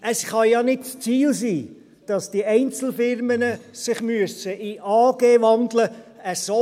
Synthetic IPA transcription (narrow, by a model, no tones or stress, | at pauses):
ʔəsχɑjɑnɪdst͡siːlsiː | d̥ɑsd̥iɛɪnt͡sl̩fɪɾmənəsɪχmyəsəʔiʔɑːɡ̥eːʋɑndləəso